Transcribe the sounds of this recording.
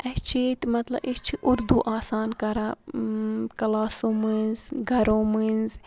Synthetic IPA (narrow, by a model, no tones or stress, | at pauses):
ɛt͡ʃʰiːt̪mɐt̪lɐ̰bit͡ʃʰiʔʊɾd̪uʔaːsaːnkɐɾaː | kɐlaːsõːmɨnzɡʱɐɾõːmɨnz